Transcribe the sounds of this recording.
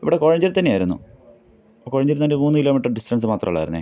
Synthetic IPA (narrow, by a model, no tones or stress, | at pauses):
ḭʋiɽeko̞ːɻɐɲd͡ʑɐɾt̪ɐnːeaːjiɾunːṵ | oko̞ːɻɐɲd͡ʑɐɾnɐndemuːnːɨkilːoːmiʈːɐrɖistɐns̬ɨmaːt̪rɐ̰muɭːa̰ːjɾunːḛ